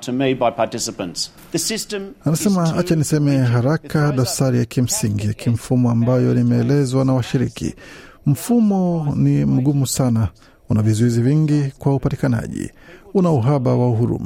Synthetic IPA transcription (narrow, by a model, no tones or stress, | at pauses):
tʰəmeɪd̚baɪpʰatɪsəpə̃nts | ðəsɪstə̃manasɛmaat͡ʃanisɛmɛɦaɾakaɗɔsaɾijakim̩siŋɡijakʰiɱ̩fumɔambajɔnimɛːlɛzwanawaʃiɾikḭ | m̩fumɔnim̩ɠumusana | unavizuiziviŋɡikwaupati̥kana̰ʄḭunauɦaɓawauɦuɾṵma̰